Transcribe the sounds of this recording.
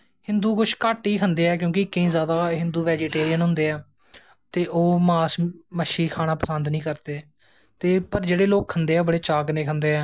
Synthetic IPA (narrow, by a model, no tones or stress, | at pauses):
hɪnd̪uːkʊʃkaːʈiːkʰənd̪eːɛːk̬jõːkɪɪkːẽĩːzjaːd̪aːɦɪnd̪uːʋɛːd͡ʒeːʈeːɾijənɦʊ̃nd̪eːɛː | t̪eːʔoːmaːsməʃiːkʰaːɽ̃aːpəsənd̪nĩːkəɾt̪eː | t̪eːpəɾd͡ʒeːɽeːloːk̚kʰənd̪eːɛːoːbəɽeːt͡ʃaːknẽːkʰənd̪eːɛː